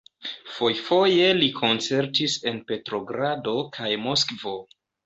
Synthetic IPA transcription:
fo̞jfo̞je̞likʰo̞nt͡se̞ɾtise̞npe̞tɾo̞ɡɾado̞kʰajmo̞skvo̞

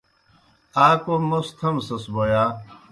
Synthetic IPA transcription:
aːkomost̪ʰɐmsɐsbojaː

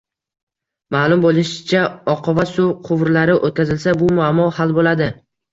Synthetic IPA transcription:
malˠʊmbolˠɪʃɪ̥t͡ʃʰaɒqʰɒvasʊqʰʊvɾlaɾɪʔot̪̚kʲazɪlsabʊmʊamɒhalbolad̪ɪ

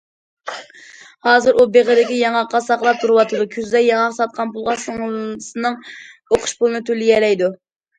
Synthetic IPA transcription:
hɑːzɨɾʔubeʁəɾɪkʲijɑŋɑqːɑsɑχlˠɑp̚t̪ʰuɾɨwɑt̪ʰɨd̪ukʲʰyzlɛjɑŋɑqsɑt̪̚qʰɑnpulˠʁɑsɨŋsɨnɨŋ | oqʰʊ̥ʃpulˠɨnɨt̪ʰølɪjɛɾɛjd̪u

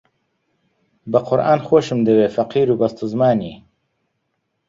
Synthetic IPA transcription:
bɨqʰʊɾʔaːnxoːʃɨmd̪ɨweːfɐqiːɾuːbɐst̪uzmaːniː

